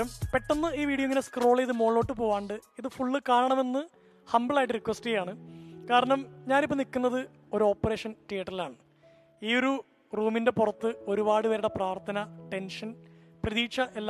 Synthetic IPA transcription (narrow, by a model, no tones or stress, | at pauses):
ɐmpe̞ʈːonːɨiːʋiːɽiɐiŋːɐneskro̞ːɭejiðɨmo̞ːɭo̞ːʈːɨpoːʋaːɳɖɨiðɨfuɭːɨkaːɾɐɳɐme̞nːɨ | hɐmbɨɭaːjʈːɨrikːʋɐsʈijaːɳɨkaːɾɐɳɐmɲaːnipːonikːunːɐðɨ | o̞ɾuo̞ːpːɐre̞ːʂɐnʈiːɐʈːɐrilaːɳɨ | iːo̞ɾu | ruːminde̞purɐt̪ːɨo̞ɾubaːɽɨʋɐɾuɽepraːrt̪ʰɐnɐʈe̞nʂɐn | prɐðiːkʂɐʔelː